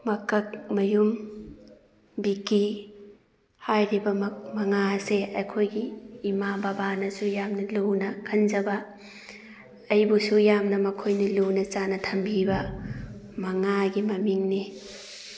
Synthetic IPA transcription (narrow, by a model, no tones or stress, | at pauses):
mɐkɐk̚mɐjum | biki | hajɾibɐmɐmɐŋaseɐjkʰojɡiːmababanɐsujamnɐluwnɐkʰɐnzɐbɐ | ɐjbusujamnɐmɐkʰojnɐlunɐt͡ʃanɐtʰɐmbibɐ | mɐŋaɡimɐmiŋni